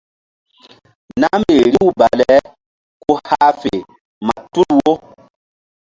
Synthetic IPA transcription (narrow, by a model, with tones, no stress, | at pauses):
na˦me˨ɾi˦wba˨lɛ˨˦ | ko˦ha˦fe˨ | ma˨tu˦lwo˦